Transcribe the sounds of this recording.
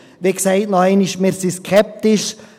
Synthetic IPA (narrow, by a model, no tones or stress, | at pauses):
ʋeksɛɪtnoæɪniʃmeːɾsiskʰɛp̚t̪ɪʃ